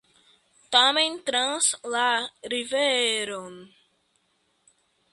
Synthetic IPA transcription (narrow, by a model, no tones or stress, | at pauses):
t̪amẽnt̪ɾãnslaɾiveɾon